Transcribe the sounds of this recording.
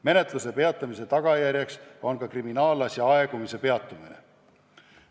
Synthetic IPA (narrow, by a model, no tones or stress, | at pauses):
me̞ne̞t̪ˑluse̞pe̞ɑt̪ːˑɑmise̞t̪ɑɡ̥ɑjæɾʲjekso̞nkɑkriminɑːlːɑsjɑɑeɡ̥umise̞pe̞ɑt̪ːˑumine̞̰